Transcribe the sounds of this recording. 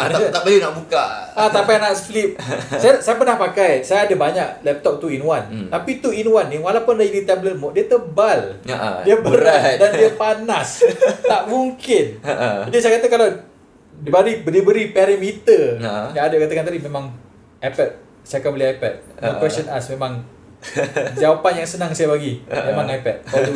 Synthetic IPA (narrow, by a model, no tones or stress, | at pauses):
t̪abəlinaʔbukaat̪apajnaʔsəflip̚sajasajapənahpakajsajaadəbaɲaʔlɛp̚t̪ɔp̚t̪uinwant̪apit̪uinwanːiwalawpʊndad͡ʒadit̪ɛbləlmʊʔ̚diət̪əbaldiəbəɾadandiəpanast̪aʔmuŋkɪnad͡ʒisajakat̪akalaw | dibəɾibədibəɾipɛɾimit̪əjaadakat̪akant̪̬adimemãŋ | ʔajpɛt̪̚ | sajakanbəliajpɛt̪̚nãkwɛsənasmemãŋ | d͡ʒawapanjaŋsənaŋsajabaɡimemãŋajpɛt̪̚a